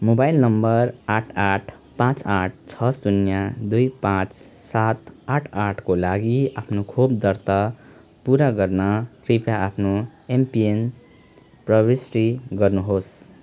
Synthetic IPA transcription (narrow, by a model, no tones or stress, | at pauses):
mobajlnʌmbʌraʈʰaʈʰ | pãt͡saʈ̚ʰt͡sʰʌsunjad̪ujpãt͡ssat̪aʈʰaʈʰkolaɡiapʰnokʰobd̪ʌrt̪a | puɾaɡʌrnʌʈripjaapʰnoempien | prʌbisʈiɡʌrnuɦos